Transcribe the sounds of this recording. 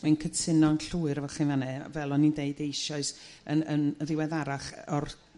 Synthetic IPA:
mankʰətʰɪnɔnɬuɨɾvɛχinvanɛvɛlˠɔnindeɨdejʃɔɨs | əənəðɪwɛðaɾaχɔr

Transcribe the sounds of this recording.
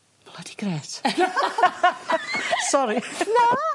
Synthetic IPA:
b̥lədi̥ɡɾɛːt | sɔɾino

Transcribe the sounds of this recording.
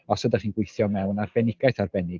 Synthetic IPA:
ɔsədaχiːnɡwejθjɔmɛwnarbɛnɪɡajθarbɛnɪ

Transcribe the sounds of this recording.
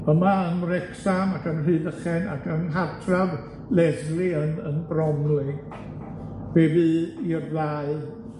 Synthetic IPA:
əmaənrɛksamakʰənr̥ɨːðəχɛna̰kʰənɦatʰrav | lɛzɡlˠiənənbrɔmlɪ | b̥ebɨirlaːɨ

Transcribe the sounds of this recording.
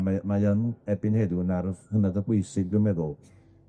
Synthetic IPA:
amajənɛbɪnhedunarhənadəbwejsɪɡ̚dɪmɛðʊl

